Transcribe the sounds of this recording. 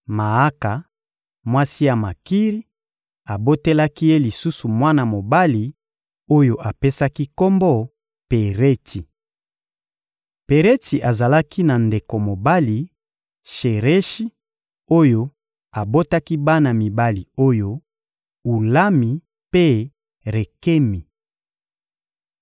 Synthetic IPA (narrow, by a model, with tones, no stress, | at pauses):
ma˨a˦ka˨ | mwa˦si˦ja˨ma˨ki˦ʁi˦ | a˨bo˦te˦la˦ki˦je˦li˨su˦su˨mwa˦na˨mo˨ba˦li˨ | o˦jo˦ʔa˨pe˦sa˦ki˦ko˦mbɔ˦ | pe˨ʁe˦tʰi˨ | pe˨ʁe˦ti˨ʔa˨za˨la˦ki˦na˨nde˨ko˨mo˨ba˦li˨ | ʃe˨ʁe˦ʃi˦ | o˦jo˦ | a˨bo˦ta˦ki˦ba˦na˨mi˨ba˦li˨o˦jo˦ | u˨la˦mi˨ | pe˦ | ʁe˨ke˦mi˨